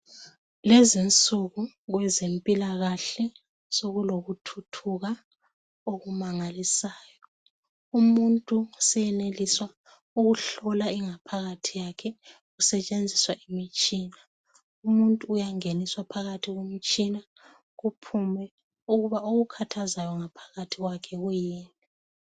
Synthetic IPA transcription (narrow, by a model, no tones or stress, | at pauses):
lɛzint͡sʼuɣu | ɣwɛzempʼilaɣaɬɛ | soɣuloɣutʰutʰuɣa | oɣumaŋalisaːjɔ | umuntʼusɛjɛneliswa | uɣuɬɔlaiŋapʰaɣatʰijakʰɛɣusɛt͡ʃʼend͡zʱiswaʔimit͡ʃʼiːna | umuntʼuːjaŋeniswapʰaɣatʰiɣwemit͡ʃʼina | ɣupʰumɛ | uɣuβaoɣukʰatʰazajɔŋapʰḁɣatʰiɣwakʰɛɣujiːni